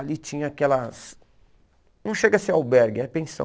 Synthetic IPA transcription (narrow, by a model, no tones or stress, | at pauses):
alit͡ʃĩɲɐakɛlɐs | nɐ̃w̃ʃeɡɐsẽawbɛɾɡɪɛpẽsɐ̰̃